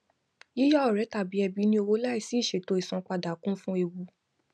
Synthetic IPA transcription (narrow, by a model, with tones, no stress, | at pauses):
i˦jɔ˦ɔ˦˨ɾɛ˨˦ta˦˨bi˨˦ɛ˧bi˨˦nĩ˦o˧wo˧˦la˦i˦˨si˨˦˨ʃe˨˦˨to˨˧i˨sɔ̃˨˦k͡pa˧da˨kũ˦fũ˦e˧wu˧